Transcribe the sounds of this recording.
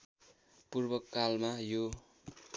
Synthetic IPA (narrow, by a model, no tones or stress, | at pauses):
purbʌkːalmajo